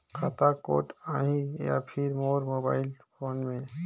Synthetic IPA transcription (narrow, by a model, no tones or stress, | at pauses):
kʰat̪ako̰ːʈãːɦĩja̰pʰɪɾmoːɾmoːbaːɪlpʰoːnmẽ